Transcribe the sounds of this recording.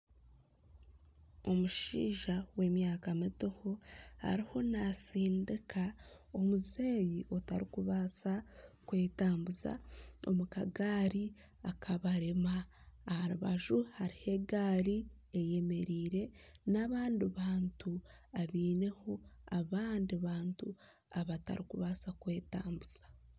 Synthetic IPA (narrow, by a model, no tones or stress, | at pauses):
o̞muʃḭːʒawe̞ːmjaːkamitihoha̰ɾiho̞nasiːndikʰao̞muzeːjiotaɾikuβaːsakwe̞ːtaːmbuza̰o̰mukaɡaːɾi | akʰaβaɾemaː | haɾuβa̰ʒuhaɾihe̞ɡaːɾi | eje̞me̞ɾiːɾe̞naβaːndiβaːntuaβiːne̞ho̞aβaːndiβaːntu | aβata̰ɾikuβaːsakwe̞ːtaːmbuz̥ḁ